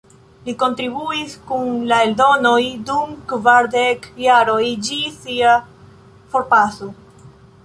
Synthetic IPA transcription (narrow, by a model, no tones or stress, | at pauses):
liko̞nt̪ɾiβuiskunlaeld̪o̞nojd̪umkvaɾd̪ekjaɾojd͡ʒisia | foɾpaso